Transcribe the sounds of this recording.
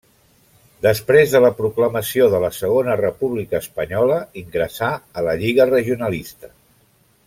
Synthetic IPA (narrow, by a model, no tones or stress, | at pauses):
d̪əspɾezðələpɾukləməsioðələsəɣ̞onərəpuβlikəːspəɲɔləiŋɡɾəsaələʎiɣərəʒiunəlist̪ə̥